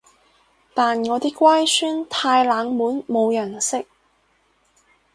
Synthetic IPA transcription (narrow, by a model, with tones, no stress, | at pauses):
t̪aː˨nŋɔː˨˧t̪iː˥kʷaː˥jsyː˥nt̪ʰaː˧jlaː˨˧ŋmuː˨˥nmo˨˧wjɐ˨˩nsɪ˥k̚